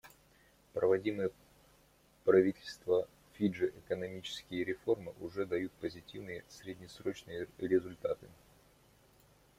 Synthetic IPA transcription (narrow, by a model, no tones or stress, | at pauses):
pɾəvɐdʲimɨjə | pɾɐvʲitʲɪlʲst̪və | fʲiʐɨʔɪkənɐmʲit͡ɕɪ̥skʲɪjəɾʲɪfo̞rmɨʔʊʐɛd̪ɐjut̪̚pəzʲɪtʲivnɨjəsʲɾʲɪdʲnʲɪsɾo̞t͡ɕnɨjəɾʲɪzʊlʲt̪at̪ɨ